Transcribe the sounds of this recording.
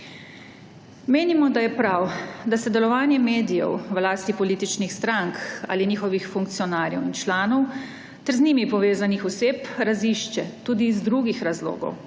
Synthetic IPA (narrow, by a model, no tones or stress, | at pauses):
meːnimɔd̪ajɛpɾawd̪asɛd̪ɛlɔʋaːnjɛmeːd̪ijɛ̰wʋlaːst̪ipɔliːt̪it͡ʃnixst̪ɾaŋka̰ːliniːxɔʋixfuŋk̚t̪sijɔnaːɾjɛ̰wint͡ʃlaːnɔw | t̪ɛɾzniːmipɔʋeːzanixɔseːpɾaziʃt͡ʃɛt̪uːd̪iːzd̪ɾuɡixɾazlo̰ːɡɔ̰w